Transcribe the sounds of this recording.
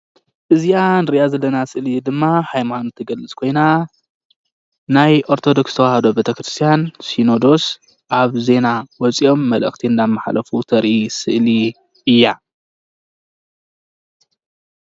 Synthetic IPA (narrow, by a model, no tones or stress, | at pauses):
ʔɨzianɨɾijazɐlːɐnasɨʔlid̪ɨmːahajmanut̪ʰɐɡɐlɨt͡sʼkʰo̞jna | najʔo̞ɾt̪ʰo̞d̪o̞kst̪ʰɐwahɐd̪o̞bet̪ʰɐkɾɨst̪ʰijansino̞d̪o̞s | ʔaβze̞nawɔt͡sʼiʔo̞mːɐlɨ̰xt̪ʰiɨnd̪amːaħa̰lɐfut̪ʰɐɾʔisɨʔli | ɨjːa